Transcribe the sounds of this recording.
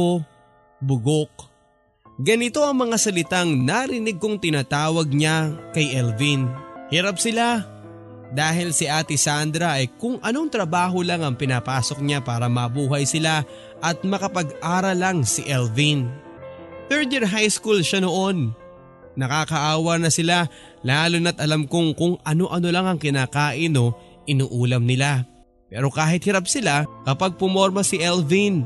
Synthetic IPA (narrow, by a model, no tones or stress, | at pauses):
o | bʊɡok | ɡɐnɪt̪o̞ɐŋmɐŋasɐlɪt̪aŋnaɾɪnɪɡ̚koŋt̪ɪnaːt̪aːwɐɡ̚ɲakɐjʔɛlvinhɪɾap̚sɪla | d̪aːɦɪlsɪʔaːt̪ɪsand̪ɾɐʔɐjkʊŋʔɐno̞ŋt̪ɾɐbaːɦo̞laŋɐŋpɪnaːpaːso̞k̚ɲapaːɾɐmɐbuːɦɐjsɪla | ʔɐt̪̚mɐkɐpɐɡʔaːɾɐlɐŋsɪʔɛlvin | t̪ɛɹd̪iɹɦajskulʃanoʔo̞nː | ɐkaːkɐʔaːwɐnɐsɪla | laːlʊnɐt̪ʔɐlamkʊŋkʊŋʔɐno̞ʔɐno̞laŋɐŋkɪnaːkaːʔɪno̞ | ʔɪnuːʔuːlɐmnɪla | pɛːɾo̞kaːɦɪt̪̚hɪɾap̚sɪlakɐpɐɡ̚pʊmo̞ɾmɐsɪʔɛlvin